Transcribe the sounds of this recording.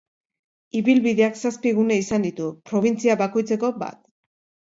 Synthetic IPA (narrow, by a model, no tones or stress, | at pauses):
iβilβiðe̞aksaspiɣune̞isand̪it̪upɾo̞β̞int͡siaβako̞jt͡se̞ko̞ba̰t̪